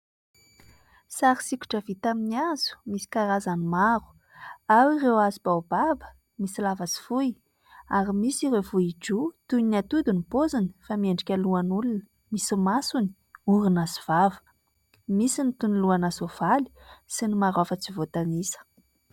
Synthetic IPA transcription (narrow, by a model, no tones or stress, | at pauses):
saɾisikʲu̥ʈ͡ʂəvit̪aminiazu̥misi̥kaɾazanimaɾu̥ | awirewazib̥awbabə̥ | misilavat͡si̥fuj | aɾimisiɾewvuiʈ͡ʂut̪unat̪ud̪unipozini̥famieɳɖ͡ʐikʲəluanulunə | misimasuni̥ | uɾunaziv̥avə̥ | misinit̪uniluanasovali̥sinimaɾafət͡sivot̪anisə̥